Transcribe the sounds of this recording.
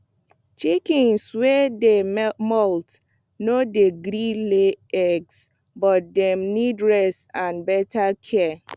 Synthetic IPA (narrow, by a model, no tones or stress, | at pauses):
t͡ʃikĩnswɛdemɔlt | nodeɡɾileɛɡs | bɔt̚dɛ̃mnidɹɛsãnbɛtʰakʰɛ